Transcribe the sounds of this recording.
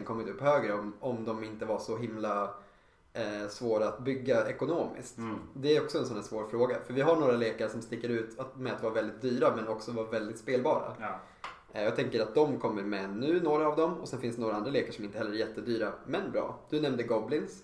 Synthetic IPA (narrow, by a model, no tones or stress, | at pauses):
nkʰɔmːɪt̪ɵpːhøːɡɾəɔmɔmd̪ɔmɪnt̪əvaʂɔɦɪmla | svoːɾaat̪̚bʏɡːaɛkʊnoːmɪ̰skt̪d̪ɛæɾɔksɔɛnsɔnːæsvoːɾfɾoːɡafœɾvɪɦaɳoːɾaleːkaɾəʂɔmst̪ɪkːəɾʉ̟ːt̪mɛat̪vɑːɾavɛld̪ɪt̪̚d̪yːɾamɛnɔksɔvɑːvɛld̪ɪt̪speːlbɑːɾa̰ | jɑːɡt̪ʰɛŋkəɾat̪̚d̪ɔmkʰɔmːəɾmɛnːʉ̟ːnoːɾaːvd̪ɔmɔsɛnfɪnst̪ɛnːɾaand̪ɾaleːkaɾʂɔmɪnt̪əhɛlːəɾæɾjɛt̪ːəd̪yːɾamɛnbɾɑ̰ːd̪̥ɵnɛmnd̪əɡɔblɪns